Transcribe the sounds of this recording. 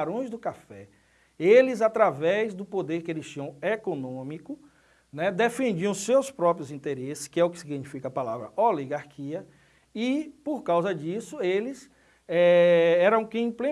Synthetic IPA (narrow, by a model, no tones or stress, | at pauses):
ɾõj̃zd̪ʊkafɛ | elɪzat̪ɾavɛzd̪ʊpod̪eɾkɪelɪsʃt͡ʃĩɐ̃w̃ekonõmikʊ | nɛd̪efẽnd͡ʒiɐ̃w̃sewspɾɔpɾjʊzĩt̪eɾesɪ̥skɪɛʊkɪsiɡinifikɐapalavɾɐoliɡaɾkʰiɐ | ɪpoɾkawzɐd͡ʒisʊelɪs | ɛɛɾɐ̃ũkẽĩplẽ